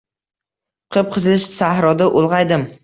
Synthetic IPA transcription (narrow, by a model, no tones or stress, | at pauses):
qʰɨp̚qʰɨzlɪʃsahɾɒd̪aʔolˠʁɑjd̪ɪm